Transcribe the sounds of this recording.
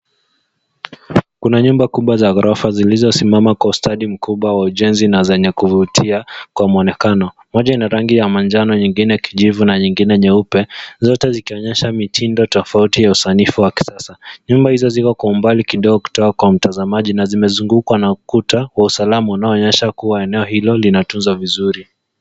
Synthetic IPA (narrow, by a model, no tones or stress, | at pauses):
kunaɲumbakuɓwazaɣaɾɔfazilizɔsimamakwaustaɗim̩kuɓwawauʄɛnzinazɛɲɛkuvutʰiakwamɔnɛkanɔ | mɔʄainaɾaŋɡijamand͡ʒanɔɲiŋɡinɛkiʄivunaɲiŋɡinɛɲɛupɛzɔtɛzikiɔɲɛʃamitʰindɔtɔfautijausanifuwaki̥sasaɲumbahizɔzikɔkwaumbalikiɗɔɡɔku̥tɔkakwam̩tazamaʄinazimɛzuŋɡukwanaukutawausalamaunaɔːɲɛʃakuwaɛnɛɔhilɔlinatunzwavizuɾi